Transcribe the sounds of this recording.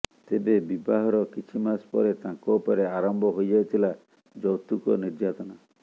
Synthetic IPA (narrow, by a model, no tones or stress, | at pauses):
t̪ebebibaɦɔɾɔkit͡ʃʰimaspɔɾet̪ãŋkɔupɔɾeaɾɔmbʱɔɦojd͡ʒajt̪ʰila | d͡ʒɔwt̪ukɔ̰niɾd͡ʒat̪ɔna